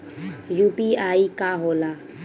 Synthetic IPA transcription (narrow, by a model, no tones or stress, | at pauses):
juːpiːaːikaɦoːlaː